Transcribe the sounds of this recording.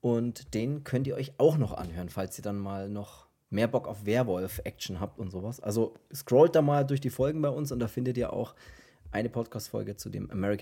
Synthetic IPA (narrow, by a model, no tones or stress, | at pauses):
ʔʊntd̥eːnkʰœntiːʔɔ̰ʏçʔaʊxnɔχʔa̰nhøːʁənfalsiːɐdanmaːlnɔχ | meːɐbɔkaʊfv̥eːɐvɔlfʔɛ̰kt͡ʃn̩ɦaːp̚tʊntz̥oːvasʔa̰lzoskʁ̥ɔːlt̚d̥aːmaːldʊɐçd̥iːfɔlɡŋ̩baɪʊnsʊnt̚d̥aːfɪndətiːɐʔa̰ʊx | ʔaɪnəpʰɔtkʰaːstfɔ̰lɡət͡sudḛːmʔa̰mɛʁɪk